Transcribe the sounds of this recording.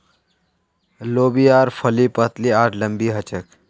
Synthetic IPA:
lobiaːɾpʰəlipət̪liaːʈʰləmbiɦət͡ʃək

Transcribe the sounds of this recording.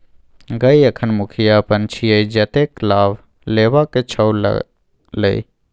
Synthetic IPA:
ɡəiəkʰənmʊkʰijapənt͡ʃʰijəid͡ʒət̪eklaːb | leːʋaket͡ʃʰəwl̰ | lə̰i

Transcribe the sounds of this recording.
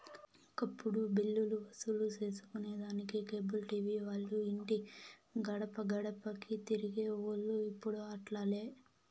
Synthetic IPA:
kɐpːuɽubilːuluʋɐsulut͡ʃe̞ːsu̥kuneːd̪aːnikikeːbulʈiːʋiːʋaːɭːuiɳʈiɡɐɽɐpɐɡɐɽɐpɐkit̪iɾiɡeːoːlːuipːuɽuaːʈlaːle̞ː

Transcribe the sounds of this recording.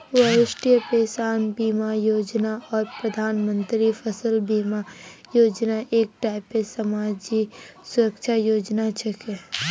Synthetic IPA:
ʋɐjɪʃʈijəpeːsaːnbiːmajoːd͡ʒnaɔːɾpɾɐd̪ʱaːnmə̃nt̪ɾifʰəsəlbiːmajoːd͡ʒnaʔeːk̚ʈaːɪpːesɐmaːd͡ʒisʊɾəkʃʰajoːd͡ʒnat͡ʃʰəke

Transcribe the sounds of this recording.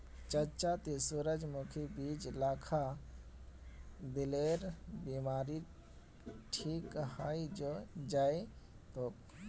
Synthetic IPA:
t͡ʃət͡ʃat̪esuɾəd͡ʒmukʰibiːd͡ʒlaːkʰa | d̪ɪleːɾbiːmaːɾi | ʈʰiːkhaːid͡ʒod͡ʒaːe | t̪o

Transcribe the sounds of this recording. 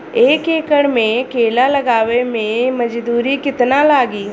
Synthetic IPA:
eːkeːkəɽmẽkeːlalɐɡaːʋemẽmɐd͡ʒd̪uːɾikɪt̪nalaːɡiː

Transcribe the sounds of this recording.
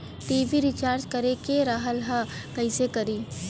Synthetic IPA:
ʈiːʋiɾɪt͡ʃaːɾt͡ʃkɐɾekeɾaɦəlɦa | kɐɪsekɐɾiː

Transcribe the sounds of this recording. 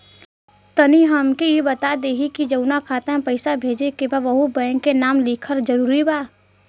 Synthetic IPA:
t̪əniɦəmkejebət̪ad̪eːɦikid͡ʒɐʊnakʰaːt̪aɦɛ̃pəɪsabʱeːd͡ʒekebaʋɐɦubə̃ŋkenaːmlikʰəɾd͡ʒəɾuːɾibaː

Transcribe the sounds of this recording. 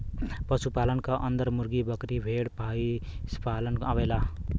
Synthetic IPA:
pʌsupalʌnkaʔʌnd̪ʌɾmuɾɡibʌkɾibʱeɽpaispalʌnabela

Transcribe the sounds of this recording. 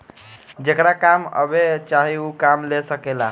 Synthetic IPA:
d͡ʒekɾakamə̰bet͡ʃaɦiukamlesəkela

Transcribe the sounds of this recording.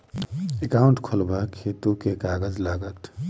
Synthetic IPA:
ekaːʊɳʈkʰolbʱakʰet̪ukekaːɡəd͡ʒlaːɡət̪

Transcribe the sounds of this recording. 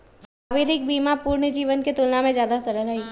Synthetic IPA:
saːʋɪd̪ɪk̚biːmapuːɾɳəd͡ʒiːʋənket̪ʊlnamẽzjaːd̪asɐɾəlɦɐiː

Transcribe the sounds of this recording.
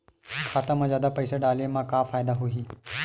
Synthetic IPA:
kʰat̪əməd͡ʑjad̪apəjseɖalemakafajd̪aɦoɦiː

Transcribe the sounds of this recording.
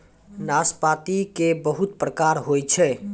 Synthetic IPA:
naspat̪ikebəɦut̪pɾəkaɾɦojt͡ʃʰɛ

